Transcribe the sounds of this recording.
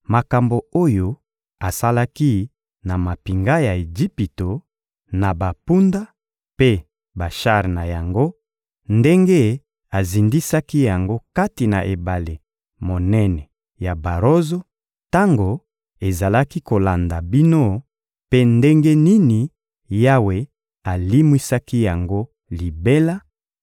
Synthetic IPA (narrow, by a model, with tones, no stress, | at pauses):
ma˨ka˨mbo˨o˦jo˦ | a˨sa˦la˦ki˦ | na˨ma˨pi˨ŋɡa˦ja˨e˨d͡ʒi˦pi˨to˨ | na˨ba˨pu˦nda˦ | pe˦ | ba˨ʃa˦˨ʁna˨ja˨ŋɡo˦ | nde˦ŋɡe˦ | a˨zi˨ndi˦sa˦ki˦ja˨ŋɡo˦ka˦ti˨na̰˨ʔe˨ba˨le˨ | mo˨nɛ˦nɛ˨ | ja˨ba˨ʁo˦zo˦ | ta˦ŋɡo˨ | e˨za˨la˦ki˦ko˨la˨nda˨bi˦no˦ | pe˦nde˦ŋɡe˦ni˦ni˨ | ja˦we˨ | a˨li˦mwi˦sa˦ki˦ja˨ŋɡo˦ | li˨be˦la˦